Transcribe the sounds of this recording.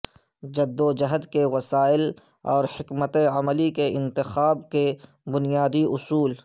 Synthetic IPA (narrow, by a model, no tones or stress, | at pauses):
d͡ʒɐd̪ːod͡ʒɐɦəd̪kewɐsaːɪl | ɔːɾhɪkmət̪eɐməlikeɪ̃nt̪ɪxaːbke | bʊnijaːd̪iʔʊsuːl